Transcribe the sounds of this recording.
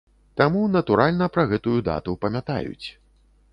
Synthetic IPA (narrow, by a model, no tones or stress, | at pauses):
t̪amunɐt̪uɾalʲnɐpɾɐɣɛt̪ujud̪a̰t̪upɐmʲat̪a̰jṵt͡sʲ